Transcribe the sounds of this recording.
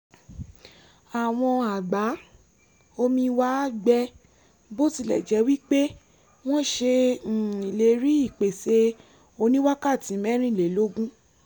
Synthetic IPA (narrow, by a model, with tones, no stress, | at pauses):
a˨w̃ɔ̃˧a˨ɡ͡ba˨˦ | o˧mĩ˧wa˦ɡ͡bɛ˧ | bo˦ti˧˦lɛ̰˦˨d͡ʒɛ˨˦wi˦k͡pe˦ | w̃ɔ̃˦ʃe˧˨i˨le˨˦ɾi˦i˦˨k͡pe˨se˧ | o˧nĩ˦wa˦ka˦˨tĩ˨˦mɛ̃˦ɾ̃ĩ˦˨le˨˦lo˦ɡũ˦